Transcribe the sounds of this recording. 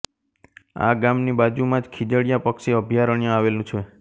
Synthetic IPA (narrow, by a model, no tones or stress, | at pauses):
a̰ɡamnibad͡ʒumãd͡ʒkʰid͡ʒəɽjapəkʃeəbʱjaɾəɳjãaʋelũt͡ʃʰe